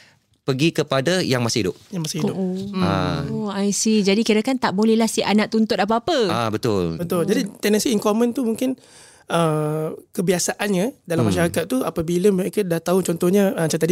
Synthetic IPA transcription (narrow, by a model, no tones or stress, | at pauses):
pəɡikəpadajaŋmasɪhidʊp̚jaŋmasɪhidʊʔoa̰ajsid͡ʒadikiɾakant̪aʔbolɛhlahsiʔanãʔ̚t̪unt̪ʊt̪ap̬aːpəabət̪ʊlbət̪ʊld͡ʒadit̪ɛnə̃nsiːŋkomə̃nt̪umuŋkɪn | əmkəbiasaʔanɲadalamaʃaɾakat̪̚ːuapabiləməɾekədat̪aut͡ʃɔnt̪ɔhɲaət͡ʃat̪adi